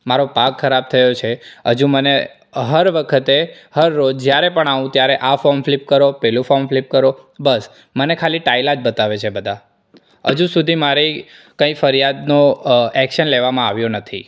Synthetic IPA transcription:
maɾopakʰːəɾab̚t̪ʰəjot͡ʃʰeɦəd͡ʒũmənḛ | ɦəɾʋəkʰət̪e | həɾːod͡ʒd͡ʒjaɾepəɳaʋũt̪jaɾeʔafoɾmflip̚kəɾopɛlũfomflip̚kəɾobəs | mənekʰaliʈailad͡ʒbət̪aʋet͡ʃʰebəd̪ʱa | ɦə̰d͡ʒũsud̪ʱimaɾi | kə̃ĩfəɾjad̪noɛkʃənleʋamãaʋjonət̪ʰḭ

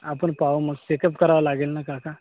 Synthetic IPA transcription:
apəɳpauməɡsekəpkəɾaʋlaɡelnakaka

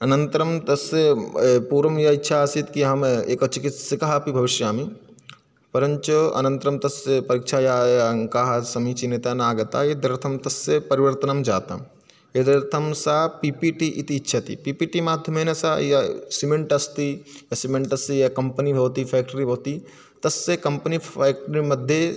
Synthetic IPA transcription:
ɐnɐnt̪ɾɐmt̪ɐsepuːɾɐmjɐitːʃʰaɐsit̪kiɦɐmeːkɐːt͡ʃʰikit̪sɐkɐɦapibʱɐʋɪʃjaːmi | pɐɾɐɲt͡ʃuɐ̰nɐ̃nt̪ɾɐmt̪ɐsepɐɾikʃʰajaŋkaɦɐsɐmit͡ʃinit̪anaːɡɐt̪ajed̪ɾɐɾt̪ʰɐmt̪ɐsepɐɾiʋɐɾt̪ɐnɐmd͡ʒaːt̪a̰m | jed̪ɾɐɾt̪ʰɐmsapipiʈiʔit̪iːtːʃʰɐt̪ḭpiːpiʈimaːd̪ʱjɐmenɐsajɐsimẽɳʈɐst̪ijasimẽɳʈɐst̪ijakɐmpənibʱɐʋt̪ifʰɛːk̚ʈəɾibʱɐʋt̪i | t̪ɐsːekɐmpəniɛːkʈəɾimɐd̪ʱje

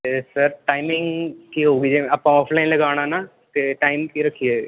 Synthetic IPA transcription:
esəɾʈaːɪmɪ̃ŋɡkiɦoːɡid͡ʒẽɐpãɔːpʰlaːɪnlɐɡaːʋɽ̃ana | t̪eʈaːɪmkiɾɐkʰːie

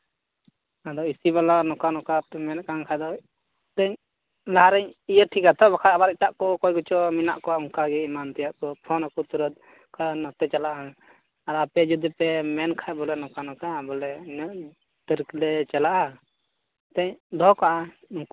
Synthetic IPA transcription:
ad̪ɔisiβalanɔkanɔkapɛmɛnkaŋkʰajd̪ɔ | t̪ɛɲ | laɦaɾɛɲijəʈʰikat̪ɔbakʰat̪abaɾiʈaʔkɔʔkɔjɡut͡ʃɔmina̰ʔkɔwauŋkaɡɛimant̪ɛjaʔkɔpʰɔnakɔt̪uɾəd̪̚ | kʰanɔt̪ɛt͡ʃalaʔa | ad̪ɔapɛd͡ʒud̪ipɛmɛnkʰajbɔlɛnɔkanɔkabɔlɛn | t̪əɾklɛt͡ʃalaʔa | t̪ɛɲd̪ɔkaʔa | uŋ

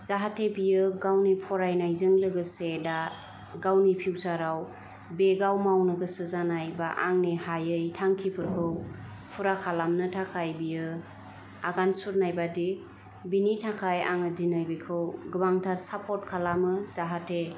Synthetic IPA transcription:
z̥aɦatʰebijɯɡawnipʰɔɾajnajzɯŋlɯɡɯseda | ɡawnipʰiwsaɾaw | beɡawmawnɯɡɯsɯzanajbaʔaŋnihajɯjtʰaŋkʰipʰɯɾkʰɯw | pʰuɾakʰalamnɯtʰakʰajbijɯ | aɡansuɾnajbadi | binitʰakʰaja̰ŋɯdinajbikʰɯwɡɯbaŋtʰaɾsapʰɔt̚kʰalamɯzaɦatʰe

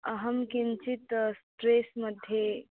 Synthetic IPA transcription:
ɐɦəmkint͡ʃit̪sʈɾeːsməd̪ʱje

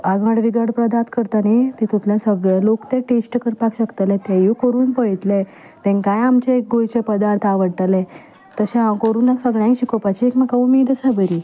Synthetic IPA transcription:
aɡãɽʋiɡaɽpɾəd̪at̪kəɾt̪anit̪ɛ̃t̪ũt̪ʰljãsəɡɭalokt̪ẽʈesʈkəɾpakɕəkt̪əlɛ̃t̪ɛjukəɾuːnpəɭt̪lɛ̃ | t̪ɛ̃nkãjamt͡ɕaek̚ɡojt͡ɕɛpəd̪aɾt̪ʰaʋəɽʈ̪alɛ | t̪əɕɛ̃akəɾuːnːaksəɡɭjãiɕikɔpat͡ɕiekmakaumid̪əsabəɾi

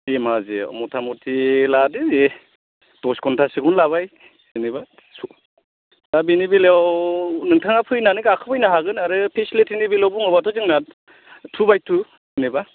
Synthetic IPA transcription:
emazḛmɔtʰamɔtʰiladeze | tɔskʰɔntʰasɯɡunlaβaj | sɯniba | su | abenibelewnɯŋtʰaŋapʰɯjnanɯɡakʰɯbɯjnaɦaɡɯnaɾɯpʰesletʰinibelawbuŋɯbatʰɔzɯŋna | tʰubajtʰu | sɯniba

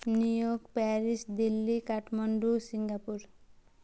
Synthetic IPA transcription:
nijoɡpaɾisd̪ilːikaʈʰmʌɳɖusiŋɡapuɾ

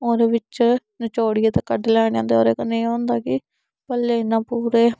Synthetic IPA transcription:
oːɾeːʋɪt͡ʃ | nɪt͡ʃoːɽɪeːt̪ekəɖlɛːɳjãːnd̪eoːɾeːkənẽːɦõːnd̪aːkɪ | pəlːeːɪnːãːpuːɾeː

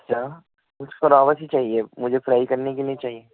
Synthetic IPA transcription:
ɐtːʃʰaː | mʊd͡ʒkɐɾaːʋəsit͡ʃaːɦiemʊd͡ʒʱefɾaːikɐɾnekeliĩt͡ʃaːɦieː

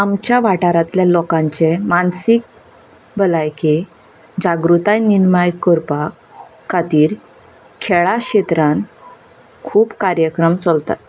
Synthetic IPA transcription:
amt͡ɕjaʋaʈaɾat̪ljalɔkãɲt͡ɕemansik̚ | bəlajke | d͡ʑaɡɾut̪ajniɾmajkəɾpakʰː | at̪iːɾ | kʰɛɭaɕet̪ɾãn | kʰuːpkaɾjəkɾəmt͡səlt̪a̰t̪

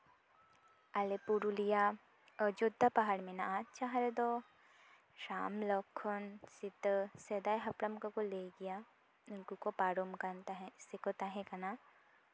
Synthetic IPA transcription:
ɐlepuɾulija | əd͡ʒod̪ːapaɦaɽmenaat͡ʃaɦɐɾɐd̪o | ʃaːmlɔkʰonsit̪əsed̪aːjɦɐpɽɐmkɐkoleɡija | unkukopaːɾomkant̪aɦẽsikot̪aɦẽkɐna

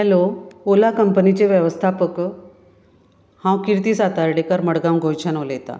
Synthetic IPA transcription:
ɛloolakəmpənit͡ɕeʋjəʋəst̪ʰapək | hãwkiɾt̪iːsat̪aɾɽekaɾməɽɡaw̃nɡʱojt͡ɕʰanoljet̪a̰

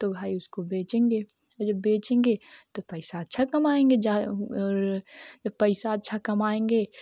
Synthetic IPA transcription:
t̪obʱaːiʊskobeːt͡ʃẽːŋɡeː | ɔːɾd͡ʒɐbːeːt͡ʃẽːŋɡeːt̪opɛɪsaɐt̪ːʃʰakɐmaːẽːŋɡed͡ʒaɔːɾd͡ʒɐbpɛɪsaɐtːʃʰakɐmaːẽːŋɡeː

